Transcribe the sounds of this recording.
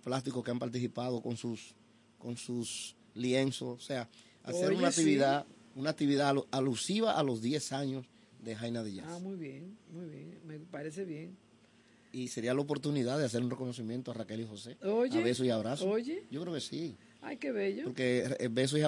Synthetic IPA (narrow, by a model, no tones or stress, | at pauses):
plast̪ikokeampaɾt̪̬isipað̞o̞ko̞ŋsus | ko̞nsus | lje̞nso̞sosea | a̰seɾunakt̪iβiða | unaːk̚t̪iβiðaalusiβaʔalo̞zðje̞saɲo̞s | ðe̞ɦajnaðeʝaamujβjeŋmujβjeŋmepaɾes̬eβjeŋ | ise̞ɾialaopo̞ɾt̪uniðaðeas̬e̞ɾunre̞ko̞no̞s̬imjent̪oarake̞lixo̞se̞oʝeβesoiaβɾasooʝeɟ͡ʝokɾeokesi | ajkeβeʎopoɾkebes̬oia